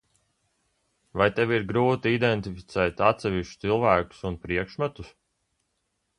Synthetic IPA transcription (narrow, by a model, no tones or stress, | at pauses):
vajt̪ɛviɾɡɾuːt̪iid̪ɛnt̪ifi̥t̪sɛːt̪at̪sɛviʃt͡ʃt̪silˠvæːku̥sunpɾiɛkʃmat̪us